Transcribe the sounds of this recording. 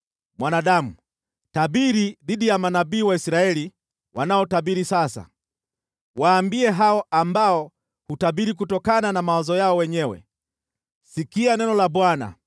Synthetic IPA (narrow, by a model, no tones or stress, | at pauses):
mwanaɗamu | tabiɾiðiɗijamanabiːwaisiɾaɛli | wanaɔtabiɾisasa̰ | waːmbiɛɦaɔambaɔ | hutabiɾik̬utɔkananamawazɔjaɔwɛɲɛwɛ̰ | sikianɛnɔlaɓwana̰